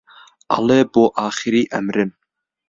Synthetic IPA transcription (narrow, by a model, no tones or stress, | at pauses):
ʔɑ̰leːboːʔɑːxɨɾiːʔɛmɾɪn